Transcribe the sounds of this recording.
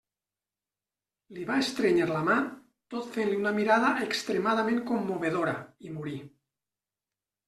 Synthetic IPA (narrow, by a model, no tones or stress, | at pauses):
liβaest̪ɾeɲeɾlama | t̪ot̪fenliunamiɾaðaʔekst̪ɾemað̞amẽŋkomːoβeð̞oɾa̰imuɾi